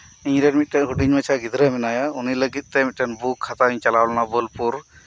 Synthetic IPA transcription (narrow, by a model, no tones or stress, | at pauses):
iɲɾɛmit̪̚ˀʈɛnɦuɖiɲmət͡ʃʰaɡid̪ɾəmɛnajauniləɡit̪̚t̪ɛmit̪̚ˀʈɛnbukʰːat̪aiɲt͡ʃalawlanabəlpuɾ